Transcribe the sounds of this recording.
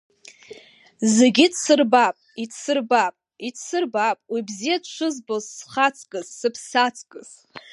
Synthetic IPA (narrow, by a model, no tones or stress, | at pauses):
zeɡʲidsɨrbapʼitsɨrbapʼ | itʰsɨrbapʼwibzijadt͡ʃʷʰɨzbozsχat͡sʰʼkʼɨzːɨpʰsat͡sʰʼkʼɨz̥